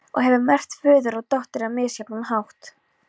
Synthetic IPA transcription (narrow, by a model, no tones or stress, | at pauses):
ɔ̰ɣɦɛvʏmɛr̥t̪fʏːðʏɾɔɣt̪ɔht̪ɪɾamɪːsjɛpnunhawht̪